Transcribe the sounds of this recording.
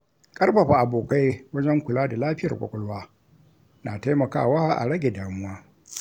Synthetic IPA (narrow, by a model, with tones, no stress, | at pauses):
kʼɐ˦rɸɐ˨ɸa˨ʔa˨boː˨ka˦jwɐ˦d͡ʒɛ˦ŋkʷʊ˨laː˦da˨laː˦ɸɪ˦jɐ̰˨rkʷʼɔ̰˦kʷʼʊ˦lwaː˦ | naː˨ta˦jmɐ˨ka̰ː˦˨waː˦ʔa̰˨ɽɐ˦ɡʲe˨daː˨mʊ˦waː˦